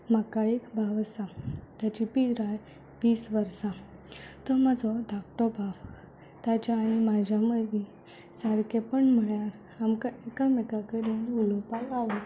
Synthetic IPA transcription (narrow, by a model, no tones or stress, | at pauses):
m̤akaekbʱaʋsat̪jat͡ɕipiɾaj | ʋiːsʋəɾsa | t̪ɔmad͡zʱɔd̪ʱakʈ̪ɔbʱaʋ | t̪jat͡ɕaːɽ̃imad͡ʑʱjaməd̪ʱi | saɾkepəɳm̤əɭjaɾ | amkaekamɛkakəɽenulɔpajaʋə